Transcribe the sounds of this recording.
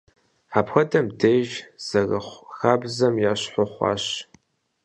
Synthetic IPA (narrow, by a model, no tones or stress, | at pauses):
ħaːpʰxɐdɐmdeːʒz̥ɐɣɐχʷxaːbzɐmjaːɕħʷɔχʷɑ̰ːɕ